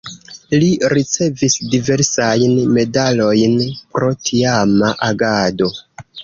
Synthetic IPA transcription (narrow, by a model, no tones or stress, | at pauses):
liɾit͡se̞visdive̞ɾsajnme̞dalo̞jnpɾo̞tʰiamaʔaɡado̞